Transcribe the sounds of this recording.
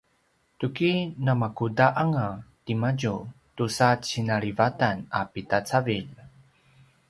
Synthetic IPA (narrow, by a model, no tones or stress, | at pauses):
tukinamakudaʔaŋatimaɟu | tusat͡ɕinaɭivatanapitat͡saviʎ